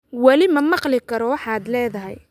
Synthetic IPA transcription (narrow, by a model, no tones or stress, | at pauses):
wɑlɪmɐmɑqlɪkʰɐɾɔwɑħɑːd̪lɛːðɐɦɛ̰j